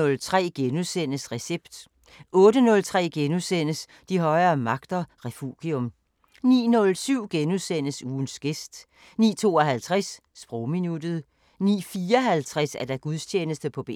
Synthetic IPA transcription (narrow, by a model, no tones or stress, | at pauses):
ɔ̽lt͡sʰʁɛ̰ːɡ̥enuðˠsen̰əsʁɛseb̥d̥ | ʔɔ̽ːɾənɔ̽lt͡sʰʁɛ̰ːɡ̥enuðˠsen̰əs | d̥iɦɒ̽ɪɐːmɑ̈ɡ̥d̥ɐʁɛfuɡ̥iɔ̽m | nḭːnɔ̽lsyʊ̰ɡ̥enuðˠsen̰əsuːn̩sɡ̥esd̥ | nḭːt͡sʰo̝ːɒ̽ɦælt͡sʰʁɛs | sb̥ʁɔʊminud̥ð̞̩ˠ | nḭːfiːɒɦælt͡sʰʁɛsæɐd̥æɡ̥uðˠst͡ɕʰeːnəsd̥əpʰɒ̽b̥ḛ